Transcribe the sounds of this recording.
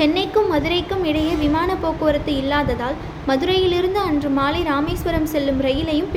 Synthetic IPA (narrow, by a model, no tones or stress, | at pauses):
t͡ʃɛnːɐɪkːɯmːɐðɯɾɐɪkːɯmɪɽɐjɐʋɪmaːnɐpːoːkɯʋɾɐt̪ːɯɪlːaːðɐðaːl | mɐðɯɾɐjɪlɪɾɯnd̪ɯɐndrɯmaːlɪɾaːmɐɪsʋɐɾɐmsɛlːɯmɾɐjɪlɐjɯm